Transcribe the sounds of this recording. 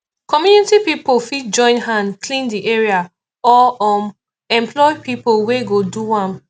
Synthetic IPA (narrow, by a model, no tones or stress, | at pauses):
kɔmjunitipipolfit̚d͡ʒɔ̃ɪ̃nɦãndkʰlĩndiʔeɹia | ɔɔm | ɛ̃mpʰlɔɪpipolweɡoduwãm